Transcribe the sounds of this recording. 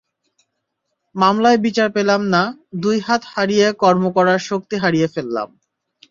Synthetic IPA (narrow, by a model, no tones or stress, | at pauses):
mamlaebit͡ɕaɾpelamnad̪ujɦat̪haɾijekɔɾmokɔɾaɾʃok̚t̪iɦaɾijefelːa̰m